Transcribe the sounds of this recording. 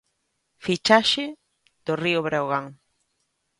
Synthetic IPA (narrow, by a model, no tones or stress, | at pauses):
fit͡ʃaʃe | d̪̥orioβɾawɣaŋ